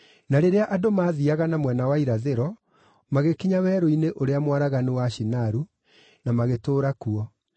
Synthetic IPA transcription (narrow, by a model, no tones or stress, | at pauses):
naɾeɾeaʔadomaːðiaɣanamwɛnawaiɾaðeɾɔ | maɣekiɲawɛːɾoineʔoɾeamwaɾaɣanewaʃinaɾu | namaɣetoːɾakuɔ